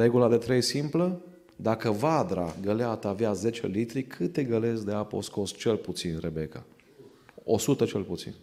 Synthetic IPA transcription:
ɾe̞ɡulad̪e̞t̪ɾejsimplə | d̪akəvad̪ɾa̰ɡəleat̪əaveaze̞t͡ʃḛlit̪ɾikʰɨt̪e̞ɡəle̞zd̪eapo̰sko̞st͡ʃe̞lput̪sinrebe̞ka̰ | o̞̰sut̪ət͡ʃe̞lput̪sḭn

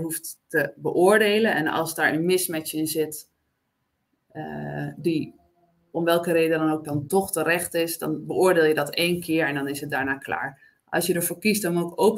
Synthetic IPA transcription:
ɦuftː | əbəʔʊːɹdeːlənɛ̰nɑ̰lˠsdaːɹənmɪsmɛt͡ʃɪnzɪt | di | ɔmʋɛlˠkəreːdədɔnowk̚dɔntɔχtəɾɛxtɪsdɔ̰nbəʊːɹdeːlˠjədɔteːnkʰɪəɹɛndɔnɪsɦət̚daːɹnaːkʰla̰ːɹ | ʔɑ̰lˠsjədəɹfoːɹkist̚dɔnmokowk

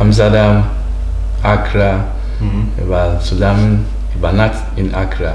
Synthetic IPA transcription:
ams̬adam | akʰɾa | ḛbasudamin | ibanat | inakɾa

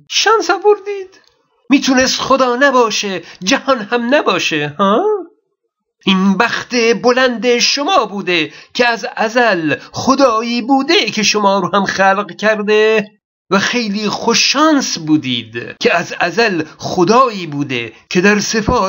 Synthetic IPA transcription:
ʃɒːnsɒːboɾd̪iːd̪̥ | miːt̪ʰunest̪xod̪ɒːnæbɒːʃed͡ʒæhɒnhæmnæbɒːʃehɑː | ʔinbæxt̪ebolænd̪eʃomɒːbuːd̪ekʲʰeæzæzælxod̪ɒːiːbuːd̪ekʲʰeʃomɒːɾoːhæmxæːlqkʲʰæɾd̪e | væxe̞jliːxoʃɒːnsbuːd̪ḭːd̪kʰʲeæzæzælχod̪ɒːiːbuːd̪ḛkʰed̪æɾsefɒː

